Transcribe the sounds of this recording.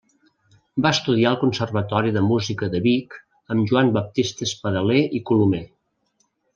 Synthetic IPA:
baəst̪uð̞iaəlˠkunsərβ̞ət̪ɔɾiðəmuzikəðəβik | əmʒuambəp̚t̪ist̪əspəðəleʔikulumɛ

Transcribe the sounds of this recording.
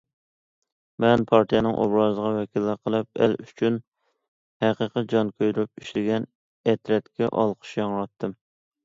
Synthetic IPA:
mɛnpʰɑɾt̪ijɛnɨŋʔo̰bɾɑːzəʁɑwɛkʲʰilːɪɾqʰəlˠɨp̚æ̰lyt͡ʃʰyn | hæqəqəd͡ʒɑnkʲʰøjɾup̚iʃlɪɡʲɛn | ɛt̪ɾɛt̪kʲɛ̰ʔɑ̰lˠqʰə̥ʃjɑŋwɑt̪ʰːɨm

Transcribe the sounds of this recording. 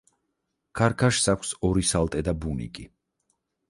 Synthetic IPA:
kʰaɾkʰaʃsakʷʰsɔɾisalˠt̪ʼɛd̪abunḭkʼi

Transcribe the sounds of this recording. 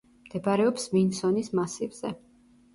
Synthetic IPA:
md̪̥ɛbaɾɛɔpsvinsɔnismasivz̥ɛ̰

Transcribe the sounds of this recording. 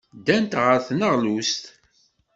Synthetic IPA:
d̪ænt̪ʁəɾθnəʁlust̪

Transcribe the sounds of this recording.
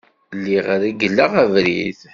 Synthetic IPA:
lːiʁaɾæɡəlːaʁævɾḭθ

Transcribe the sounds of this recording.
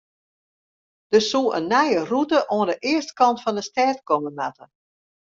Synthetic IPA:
d̥əsuʔənːɛjərutəʔoəndəʔɪəstkɑntfɔndəstɛːtkɔməmatə

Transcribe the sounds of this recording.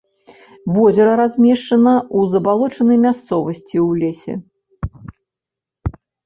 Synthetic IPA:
vɔzʲɛɾɐɾazʲmʲɛʂt͡ʂɐnɐuzɐbalˠɔt͡ʂɐnɐjmʲast̪sɔvɐsʲt͡sʲiwlʲɛsʲɛ̰

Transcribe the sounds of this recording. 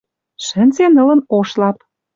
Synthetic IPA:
ʃə̆nʲzenɤ̆lə̆noʃlɑp̚

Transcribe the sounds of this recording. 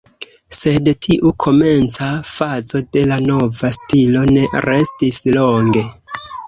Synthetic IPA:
se̞dtʰiʔukʰo̞me̞nt͡safazo̞de̞lano̞vastilo̞ne̞ɾe̞stisloŋɡe̞

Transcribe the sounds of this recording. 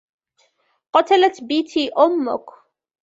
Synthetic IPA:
qɑt̪alat̪biːt̪iːʔʊmːʊ̰k

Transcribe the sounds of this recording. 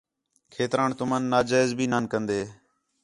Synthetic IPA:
kʰeːt̪ɾaːnt̪ʊmaːnːaːd͡ʒaːɪzbʱiːnaːnkənd̪eː

